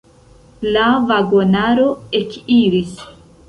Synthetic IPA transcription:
lavaɡonaɾo̞ekiɾis

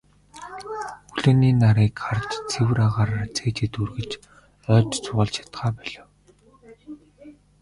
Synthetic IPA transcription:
xuɮɵ̆ːniːnaɾiːkχart͡ɕt͡sʰewɘ̆ɾaʁaːɾart͡sʰeːt͡ɕĕt̪urɣɘ̆t͡ɕ | œːt͡ɕt͡sʰʊʁə̆ɮt͡ɕʰḁt̪χaːpæɮɘ̆w

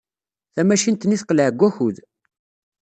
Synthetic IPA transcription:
θæmæʃint̪niθqəlʕəɡʷːæçuð

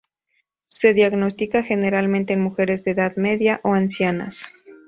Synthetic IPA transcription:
se̞ðjaɣno̞st̪ikaxe̞ne̞ɾalmẽnt̪e̞ːnmuxe̞ɾe̞zðeːðaðme̞ðjaʔoansjana̰s

